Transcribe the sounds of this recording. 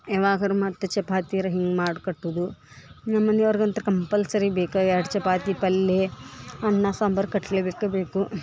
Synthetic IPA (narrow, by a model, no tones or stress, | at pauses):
eʋaːɡɐɾumɐt̪ːɐt͡ʃɐpaːt̪iɾɐɦiŋɡmaːɖukɐʈːud̪u | nɐmːɐnjɐʋɐɾɡɐnt̪ɐɾɐkɐmpɐlsɐɾibeːkɐaːɽt͡ʃɛpaːt̪ipɐlːeɐɳːasaːmbɐɾkɐʈleːbeːkɐbeːku